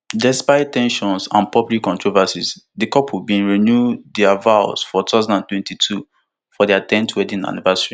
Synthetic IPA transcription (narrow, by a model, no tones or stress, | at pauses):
dɛspaɪtːɛ̃nʃɔ̃nsã̰npɹɔpɹikɔ̃ntʰɹovasisdikɔphubĩnɹinjudiavaʊsfɔtʰazãnãntwɛ̃ntitʰu | fɔdiatɛ̃ntʰwɛdĩŋa̰nivɛsɹi